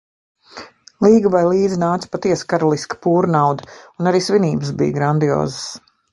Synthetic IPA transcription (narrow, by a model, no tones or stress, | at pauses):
lˠiːɡəvajlˠiːd̪zinaːt̪spat̪iɛskaɾɔlˠiskə̥puːɾnawd̪əunaɾiːsviniːbəs̬bḭjɡɾand̪io̰ːzəs